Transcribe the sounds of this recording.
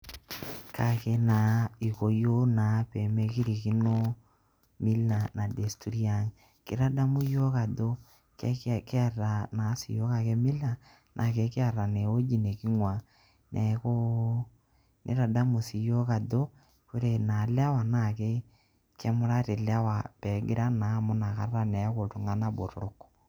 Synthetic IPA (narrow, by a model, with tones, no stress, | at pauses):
kʰa˨ke˦na˨i˨ko˨jo˦na˨˦pe˨me˦ki˦ɾi˨ki˦no˦ | mi˦la˨na˨de˨stu˨ɾi˦a˦ŋ | kɪ̰˦ɾa˦da˦mu˦jo˦ka˨do˦ | kka˨ra˨na˨˦si˨jo˦ka˦ke˦mi˦la˨ | nʔa̰˨ke˨˦kɪ˦a˨ra˨ne˨o˦d͡ʒi˨ne˨kɪ˦ŋwa˨ | nʔɛ˨˦ko˦ | nʔe˦ɾa˨da˦mu˨si˨jo˦ka˨do˦ | kʊ˦ɾe˨na˨la˦wa˨na˦˨ke˦ | kɛ˦mʊ˦ɾa˦te˨la˦wa˨pɛ˨˦ɡɪ˦ɾa˦na˨˦mʊ˦na˨ka˨ra˦nɛ˨˦ko˨tʊ˨ŋa˦na˦bo˨ɾɾʊ˦k